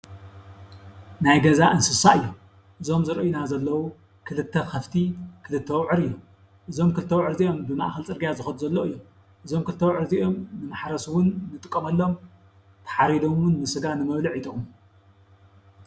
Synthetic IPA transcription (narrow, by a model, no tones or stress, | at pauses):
najɡɐzaʔɨnsɨsaɨjːo | ʔɨzo̞mzɨɾʔjinazɐlːɐwu | kʰɨlɨt̪ʰːɐxɐft̪ʰikʰɨlɨt̪ʰːɐwʕɨɾɨjːo | ʔɨzo̞mkʰɨlɨt̪ʰːɐwʕɨɾziʔo̞mbɨmaʔxɐlt͡sʼɨɾɡijazɨxɐd̪̚zɐlːoɨjːom | ʔɨzo̞mkʰɨlɨt̪ʰːɐwʕɨɾziʔo̞mnɨmaħɾɐswʊnːɨt̪ʼɨkʼːɐmɐlːo̞m | t̪ʰɐ̥ħaɾid̪omwʊnmɨsɨɡanɨmɐβliʕit̪ʼɨxʼumu